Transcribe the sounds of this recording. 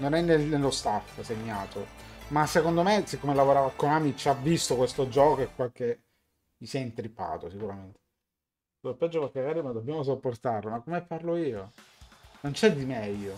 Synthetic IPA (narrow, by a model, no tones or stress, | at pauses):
nonɛnːenelːost̪afseɲːaːt̪omasːekond̪omesikːomelavoɾaːvakːonamit͡ʃavːist̪okwest̪od͡ʒɔːkoekwake | jisɛjint̪ɾipːa̰ːt̪osikuɾament̪e̥ | t̪uopːɛd͡ʒːopalkeɡaːɾjomad̪obːjaːmos̬opːort̪arlomakːomepːarloiːo | nont͡ʃɛd̪imɛʎːo